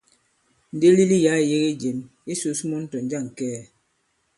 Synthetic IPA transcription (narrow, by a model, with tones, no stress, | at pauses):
n̩˨de˦li˦li˦ja˨˦e˨je˦ɣe˦d͡ʒe˨m | i˦so˨˦smɔ˦n̩˦tɔ˨n˦d͡ʒa˦˨ŋ̩˨kɛː˦˨